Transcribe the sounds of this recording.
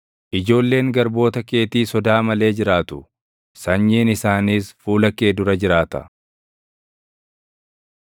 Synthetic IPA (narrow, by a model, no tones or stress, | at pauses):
ʔɪd͡ʒo̞ːlːe̞ːŋɡɐɾbo̞ːt̪ɐke̞ːt̪iːsɔd̪aːmɐle̞ːd͡ʒɪɾaːt̪ʊ̥ | sɐɲːiːnɪsaːniːsfuːlɐkːe̞ːd̪ʊɾɐd͡ʒɪɾaːt̪ɐ̰